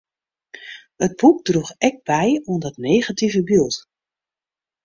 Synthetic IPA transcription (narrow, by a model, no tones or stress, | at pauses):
əd̚b̥uk̚druxɛk̚b̥ɛjundɔtneːɣativəbyət